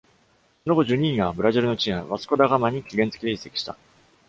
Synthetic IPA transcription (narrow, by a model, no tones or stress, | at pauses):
so̞noɡo̞ʑɨːɲ̟ĩŋɡabɯ̟ɾaʑiɾɯ̟no̞t͡ɕĩɰ̃a̰βasɨ̥ko̞d̪aɡamaɲ̟ikʲiɡẽ̞nt͡sɨ̥kʲid̪e̞i̥sːe̞kʲi̥ɕi̥t̪a